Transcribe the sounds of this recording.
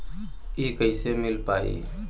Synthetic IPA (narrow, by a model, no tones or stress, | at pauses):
eːkəisemɪlpaːḭː